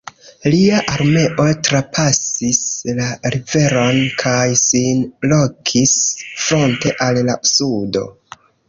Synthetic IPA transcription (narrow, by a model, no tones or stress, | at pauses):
liaʔaɾme̞ʔo̞tɾapʰasislaɾive̞ɾo̞nkʰajsinlo̞kʰisfɾo̞nte̞ʔalːasudo̞̰